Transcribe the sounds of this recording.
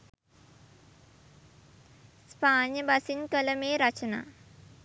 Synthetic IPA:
sspaːnjəbasinkələmeːɾat͡ʃəna̰ː

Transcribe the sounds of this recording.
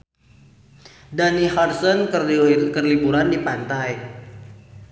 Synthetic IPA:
daniharsɔnkərlibuɾandipant̪aj

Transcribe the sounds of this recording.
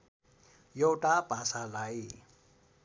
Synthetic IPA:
jʌwʈapasalaj

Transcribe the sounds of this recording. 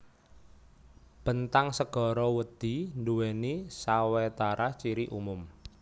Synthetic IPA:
b̥ənt̪aŋsəɡ̥ɔ̤ɾɔwəd̪̥i̤nduwenisawɛt̪aɾat͡ʃiɾiʔumʊm

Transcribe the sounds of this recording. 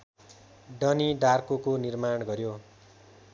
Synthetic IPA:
ɖʌniɖarkokonirmaɳɡʌɾjo

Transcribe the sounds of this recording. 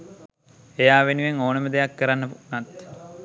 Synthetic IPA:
ejaːʋenuʋeŋoːnəməd̪ejakːəɾanːəpunat̪

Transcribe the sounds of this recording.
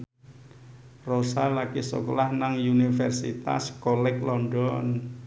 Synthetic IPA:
rosalakisɔ̰kɔlahnaŋjunifɛrsḭt̪a̰skɔlɛklɔndɔn

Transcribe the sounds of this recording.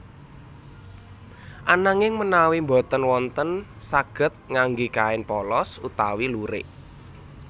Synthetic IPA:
ʔanaŋɪŋmənawimbɔ̤t̪ənwɔnt̪ən | saɡ̥ə̤t̪̚ŋaŋɡikaɪnpɔlɔsut̪awiluɾɪ̰ʔ

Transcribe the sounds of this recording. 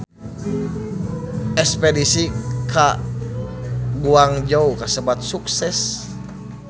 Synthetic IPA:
ɛkspɛdisika | ɡuaŋd͡ʒaukasəbat̪̚suksɛs

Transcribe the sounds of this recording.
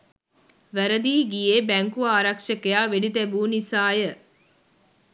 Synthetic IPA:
ʋæɾəd̪iːɡijeːbæŋkuaːɾɐkʂɐkejaːʋeɖit̪æbuːnisaːjə

